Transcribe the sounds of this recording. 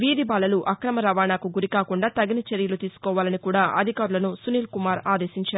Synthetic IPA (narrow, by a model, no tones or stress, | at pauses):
ʋiːd̪ibaːlɐluʔɐkɾɐmɐɾɐʋaːnaːkuɡuɾikaːkuɳɖaːt̪ɐɡinɐt͡ʃeɾjɐlut̪iːsu̥kɔːʋaːlɐnikuːɽaːʔɐd̪ʱikaːɾulɐnusuniːlkumaːɾaːd̪eːʃiɲt͡ʃaːu